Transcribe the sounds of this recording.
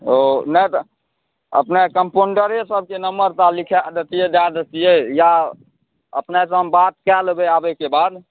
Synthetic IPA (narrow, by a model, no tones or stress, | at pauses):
onət̪ | ə̰pnekəmponɖəɾesəb̚ʱkenəmbəɾt̪alikʰɛd̪et̪ijed̪ad̪et̪ijeja | ə̰pnas̬əmbat̪̚kɛlbeabɛkebad̪